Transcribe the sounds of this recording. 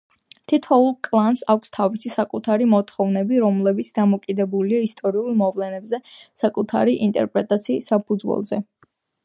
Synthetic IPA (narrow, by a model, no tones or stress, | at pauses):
t̪ʰit̪ʰɔulˠkʼlˠansakʰʷst̪ʰavisisakʼut̪ʰaɾimɔt̪ʰχɔvnɛbiɾɔmlɛbit̪sʰd̪amɔkʼid̪ɛbuliaist̪ʼɔɾiulˠmɔvlɛnɛbzɛsakʼut̪ʰa̰ɾiʔint̪ʼɛ̰ɾpʼɾɛt̪ʼat̪sʰiːsːapʰud̪zwɛ̰lˠzɛ̰